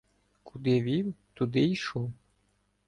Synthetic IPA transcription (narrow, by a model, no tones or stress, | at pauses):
kʰud̪ɪʋʲiwt̪ʊd̪ɪiʃɔw